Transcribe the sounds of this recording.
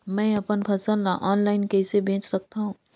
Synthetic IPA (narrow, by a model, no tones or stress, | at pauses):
mɛ̃ɐpənpʰɐsəlaʔɔːnlaːɪnkɛːsebʱẽːt͡ʃsɐk̚t̪aɦũː